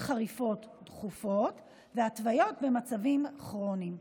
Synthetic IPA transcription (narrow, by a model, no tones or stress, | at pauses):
χaʁifo̞tdχufo̞t | veatvajo̞tbe̞mat͡savimaχʁonim